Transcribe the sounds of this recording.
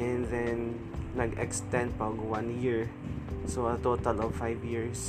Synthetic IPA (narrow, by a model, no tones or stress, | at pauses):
ɛ̃nðɛnː | ɐɡɛ̰kst̪ɛ̃nd̪̚pɐɡwãnjiɹ | soɐt̪oːt̪ɐlɔvfajvjiɹs